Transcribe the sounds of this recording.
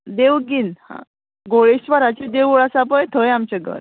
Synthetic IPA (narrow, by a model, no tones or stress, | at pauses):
d̪eʋɡinhã̰ | ɡoɭiɕʋaɾat͡ɕid̪eʋuɭasap̬əjt̪ʰəjamt͡ɕeɡə̰ɾ